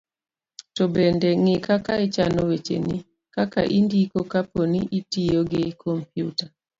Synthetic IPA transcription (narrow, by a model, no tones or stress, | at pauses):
tɔbendeŋɪkakaɪt͡ʃanɔwet͡ʃḛni | kaka̰ʔindikokaponiʔitijoɡɪkʰɔmpjuta